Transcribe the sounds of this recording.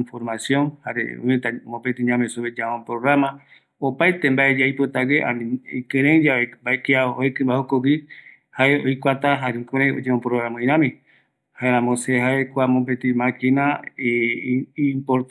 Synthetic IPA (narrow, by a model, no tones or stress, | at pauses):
foɾmasjõnhaɾḛṵmẽt̪amõpet̪iɲãmesuβed͡ʒamõpɾoɣɾama | opajt̪embaed͡ʒajpot̪aɡeʔa̰nĩikẽɾ̃ẽd͡ʒaebaekiaoekɨ̃mbahokowi | haeojkʷat̪aɦaɾekoɾẽod͡ʒeõpɾoɾãmõĩɾ̃ãmĩ | haeɾãmõseɦaekʷamopet̪imãkĩna | impoɾt̪